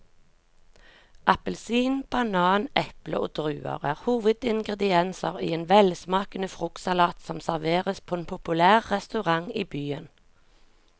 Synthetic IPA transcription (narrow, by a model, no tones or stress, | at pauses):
ʔɑpəlsiːnb̥ɑnɑːnʔɛplə̰ʔo̰ːd̪̥ʁʉːə̰ʁæːʁhuːʋəd̪ɪŋɡʁɛd̪ɪɛnsəʁḭːeːnʋɛlsmɑːkənəfʁʊksɑlɑːt̪sɔmsæʁʋeːʁəspʰoːeːnpʰʊpʉlæːʁːɛst̪ʉʁɑŋiːbyːən